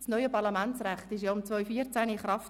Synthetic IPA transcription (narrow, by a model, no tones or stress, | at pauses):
snɔʏəpɑɾlɑmænt͡sræχtɪʃ̬jaʊmt͡svɔʏfiːət͡sæniχrɑft